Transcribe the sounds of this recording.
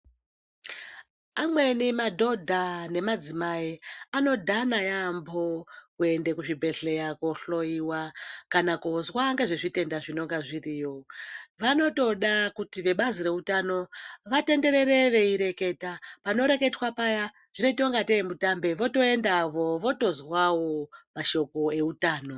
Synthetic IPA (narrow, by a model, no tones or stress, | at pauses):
amwe̞nimadʱo̞dʱane̞mad͡zimaiano̞dʱanajambokue̞nde̞kuʐibʱe̞ɬe̞jakoɬo̞iwakanakozwaŋɡeʐeʐite̞ndaʐino̞ŋɡaʐiriːjo̞ʋano̞to̞ɗakutiʋe̞ɓaziɾe̞utano̞ʋate̞nde̞ɾeɾe̞ʋe̞iɾe̞ke̞tapano̞ɾe̞ke̞twapaja | ʐ̥ino̞itioŋɡatemutambe̞ʋo̞to̞e̞ndaʋo̞ʋo̞to̞zwawomaʃo̞ko̞e̞utaːno̞